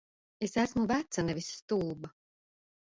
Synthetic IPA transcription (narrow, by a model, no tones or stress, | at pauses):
esæsmuvæt̪sanɛvʲisːt̪ulˠba